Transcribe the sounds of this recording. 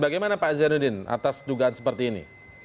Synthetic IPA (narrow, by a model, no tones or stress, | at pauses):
baɡajmanapazanudɪna̰t̪asduɡaansəpərt̪iːnḭ